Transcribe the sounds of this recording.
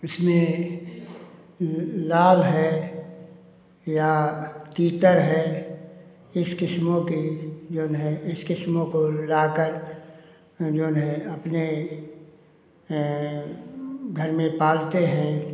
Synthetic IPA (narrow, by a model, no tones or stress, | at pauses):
ɪsmẽ | laːlɦɛː | jat̪iːt̪əɾɦɛː | ɪskɪsmõkid͡ʒoːnɦɛ̃ɪskɪsmõkolaːkəɾ | d͡ʒoːnɦẽɐpne | ɡʱɐɾmẽpaːlt̪eɦɛ̃ː